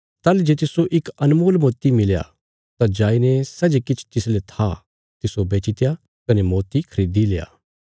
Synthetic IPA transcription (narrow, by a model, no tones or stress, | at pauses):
t̪aːld͡ʒeːt̪ɪsoʔɪkɐnmoːlmoːt̪imɪlja̰ | t̪ãd͡ʒaːinesɐd͡ʒekɪt͡ʃʰt̪ɪslet̪ʰa | t̪ɪsobeːt͡ʃɪt̪ja | kɐnemoːt̪ikʰɐɾiːd̪ileːja̰ː